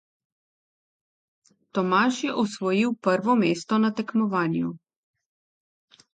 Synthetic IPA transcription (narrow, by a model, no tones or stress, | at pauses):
t̪ɔmaːʃjɛʔɔsʋɔjiwpəɾʋɔmeːst̪ɔnat̪ɛkmɔʋaːnju